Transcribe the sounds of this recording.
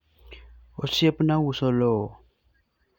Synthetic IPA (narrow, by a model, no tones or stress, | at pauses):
osiepnawusolo